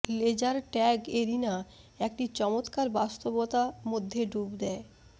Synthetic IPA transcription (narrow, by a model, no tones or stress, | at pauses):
led͡ʑaɾʈɛɡeɾina | ek̚ʈit͡ɕɔmot̪kaɾbast̪obot̪amod̪ʱːeɖubd̪ɛe